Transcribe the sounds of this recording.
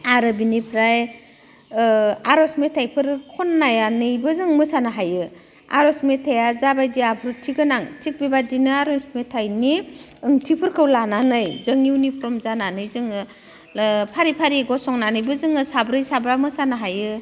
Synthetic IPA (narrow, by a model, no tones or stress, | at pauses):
aɾɯbinipʰɾaj | aɾɔsmetʰajpʰɯɾkʰɔnːajanɯjbɯzɯŋmɯsanɯɦajɯ | a̰ɾɔsmetʰejazabajdiapʰɯɾtʰiɡɯnaŋtʰik̚bebadinɯaɾɔsmetʰajni | ɯŋtʰipʰɯɾkʰɯwlananɯjzɯŋiwnipʰɾɔmzananɯjzɯŋɯ | pʰaɾipʰaɾiɡɔsɔŋnanɯjbɯzɯŋɯsabɾɯjsabɾamɯsanɯɦajɯ